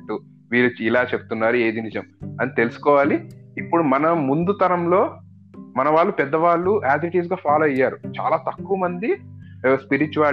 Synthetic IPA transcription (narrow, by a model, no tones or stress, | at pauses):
ʈːu | ʋiːɭuilaːt͡ʃebu̥t̪unːaːɾue̞ːd̪inid͡ʒɐmɐnit̪e̞lusu̥kɔːʋaːliːpːuɽumɐnɐmund̪ut̪ɐɾɐmlo̞ː | mɐnɐʋaːɭːupɛd̪ːɐʋaːɭːuaːt̪iiʈiːs̬ɡaːpʰaːlɐɐjːaːɾut͡ʃa̰ːlaːt̪ɐkːuʋɐmɐnd̪ispiɾit͡ʃuʋaː